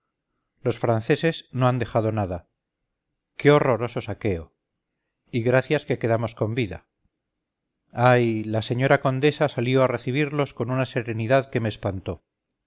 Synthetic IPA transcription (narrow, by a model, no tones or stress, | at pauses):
lo̞sfɾanθe̞se̞sno̞and̪e̞xaðo̞naða | keo̞ro̞ɾo̞so̞sake̞o̞ | iɣɾaθjaske̞ke̞ðamo̞sko̞mbiða̰ | ajlase̞ɲo̞ɾako̞nd̪e̞sasaljo̞are̞θiβ̞iɾlo̞sko̞nunase̞ɾe̞niðaðke̞meːspant̪o̞